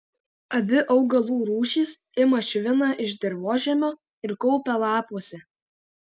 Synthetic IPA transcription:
ɐbʲɪʔɐʊɡɐlˠuːɾuːʃʲiːs | ɪmɐʃʲʊʋʲɪnɐʔɪʒʲd̪ʲɛɾʋoːʒʲɛmʲoː | ɪɾkɔʊpʲɛlˠɑːpuɔsʲɛ

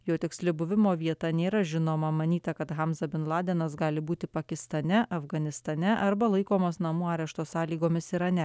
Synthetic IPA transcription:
joːt̪ʲɪksʲlʲɪbʊʋʲɪmoːʋʲiɛt̪ɐnʲeːɾɐʒʲɪnoːmɐmɐnʲiːt̪ɐkɐt̪ɣɑmsɐbʲɪnlˠɑːd̪ʲeːnɐs̬ɡɑːlʲɪbuːt̪ʲɪpɐkʲɪst̪ɐnʲɛʔɐfɡɐnʲɪst̪ɐnʲɛʔɐɾbɐlˠɐɪkoːmoːsnɐmuːɑːɾʲɛʃt̪oːsɑːlʲiːɡoːmʲɪsɪɾɐnʲɛ

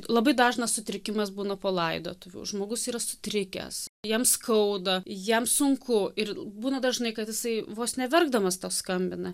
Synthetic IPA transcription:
lˠɐbɐɪd̪ɑːʒnɐssʊt̪ʲɾʲɪkʲɪmɐsbuːnɐpoːlˠɐɪd̪o̰ːt̪ʊʋʲṵːʒmoːɡʊsiːɾɐsʊ̥t̪ʲɾʲɪkʲɛ̰sjiɛmskɐʊd̪ɐjimsʊŋkʊɪrbuːnɐd̪ɐʒnɐɪkɐt̪jɪsɐɪʋoːsnʲɛʋʲɛrɡ̚d̪ɐmɐst̪oːskɐmʲbʲɪnɐ

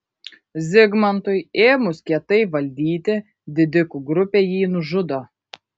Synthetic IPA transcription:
zʲɪɡmɐnt̪ʊɪeːmʊskʲiɛt̪ɐɪʋɐlʲd̪ʲiːt̪ʲɪ | d̪ʲɪd̪ʲɪkuːɡɾʊpʲeːjiːnʊʒʊd̪oː

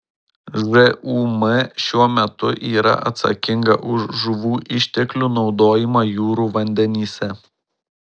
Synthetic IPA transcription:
ʒɛʔuːmɐʃʲuɔmʲɛt̪ʊʔiːɾɐ̰ʔɐ̰t̪sɐ̰kʲɪŋɡɐ̰ʔʊʃʒʊʋuːʔɪʃʲt̪ʲɛklʲuːˑnɒʊd̪oːjɪmɐjuːɾuːʋɐnʲd̪ʲɛnʲiːsʲɛ

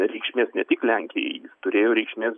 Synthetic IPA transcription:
ɾʲɛɪkʃʲmʲeːsnʲɛt̪ʲɪklʲæŋʲkʲɪjɛ̰ɪjɪst̪ʊɾʲeːjoːɾʲɛɪkʃʲmʲeːs

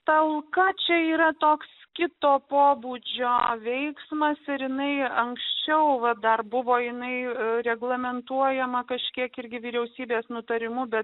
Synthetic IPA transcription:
t̪ɐlˠkɐt͡ʃʲɛiːɾɐt̪oːkskʲɪt̪oːpoːbuːd͡ʒʲoːʋʲɛɪksmɐsɪɾjɪnɐɪɐŋksʲt͡ʃʲɛʊʋɐd̪ɐrbʊʋoːjɪnɐɪɾʲɛɡlˠɐmʲɛnt̪uɔjɛmɐkɐʃʲkʲiɛkɪɾʲɡʲɪʋʲiːɾʲɛʊsʲiːbʲeːsnʊt̪ɐɾʲɪmʊbʲɛt̪

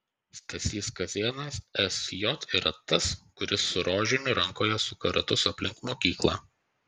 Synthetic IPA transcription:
sʲt̪ɐsʲiːskɐzʲeɛnɐsɛsjɔt̪iːɾɐt̪ɐskʊɾʲɪsːʊɾoːʒʲɪnʲʊɾɐŋkoːjɛsʊkɐɾɐt̪ʊsɐpʲlʲɪŋkmoːkʲiːklˠɑ̰ː

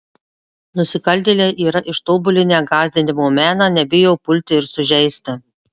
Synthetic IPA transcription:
nʊsʲɪkɐlʲd̪ʲeːlʲeːʔiːɾɐʔɪʃt̪oːbʊlʲɪnʲæːɡɑːzʲd̪ʲɪnʲɪmoːmʲæːnɑːnʲɛbʲɪjɛʊpʊlʲt̪ʲɪɪɾsʊʒʲɛɪsʲt̪ʲɪ

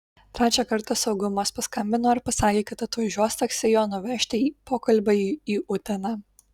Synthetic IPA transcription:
t̪ʲɾʲæːt͡ʃʲæːkɐɾt̪ɐsɒʊɡʊmoːspɐskɐmʲbʲɪnoːɪɾpɐsɑːkʲeːkɐt̪ɐt̪ʋɐʒʲuɔst̪ɐksʲɪjoːnʊʋʲɛʃʲt̪ʲɪiːpoːkɐlʲbʲɐiiːʔʊt̪ʲɛnɑː

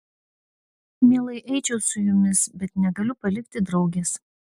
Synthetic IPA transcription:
mʲiɛlˠɐɪʔɛɪt͡ʃʲɛʊsʊjʊmʲɪsbʲɛt̪nʲɛɡɐlʲʊpɐlʲɪkʲt̪ʲɪd̪ɾɒʊɡʲes

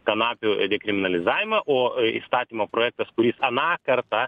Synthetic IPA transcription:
kɐnɑːpʲʊd̪ʲɛkɾʲɪmʲɪnɐlʲɪzɑːʋʲɪmɐʔoːḭst̪ɑːt̪ʲiːmoːpɾoːjɛːk̚t̪ɐskʊɾʲisɐnɑːkɐɾt̪ɑ

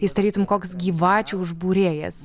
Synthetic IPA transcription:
ɪsd̪ɐɾʲiːt̪ʊmkoːksɡʲiːʋɑːt͡ʃʲuːʊʒbuːɾʲeːjɛ̰s

